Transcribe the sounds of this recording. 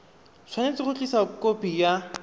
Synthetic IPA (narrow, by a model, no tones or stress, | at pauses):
sʰwanet͡sɪχʊt͡ɬʼisakʼopija